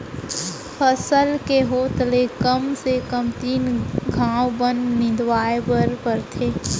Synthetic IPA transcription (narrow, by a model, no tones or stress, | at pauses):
pʰəsəlkeɦoːt̪lekəmsekəmt̪iːnɡʱãːwbənnɪd̪waːepəɾpəɾt̪ʰeː